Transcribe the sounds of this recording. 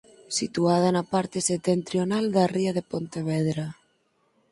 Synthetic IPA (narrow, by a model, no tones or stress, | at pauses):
sit̪uað̞anapaɾt̪eset̪ent̪ɾjonald̪ariaðepont̪eβ̞eðɾa